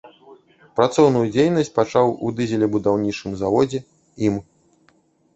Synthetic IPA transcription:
pɾat̪sɔwnujud͡zʲejnɐsʲt͡sʲpat͡ʂawṵd̪ɨzʲɛlʲɛbud̪awnʲit͡ʂɨmzavɔd͡zʲɛ | im

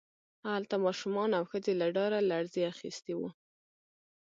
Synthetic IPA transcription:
alt̪amɑʃumɑnawxəd͡zelaɖɑɾalaɽzeaxḭst̪ewu

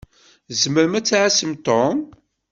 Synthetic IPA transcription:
zməɾmæt͡sːaʕasəmt̪om

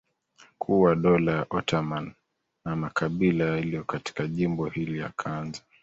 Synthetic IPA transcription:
kʰuwaɗɔlaʔɔtamanː | amakʰaɓilajaliɔkati̥kaʄimbɔhilila̰kʰanza

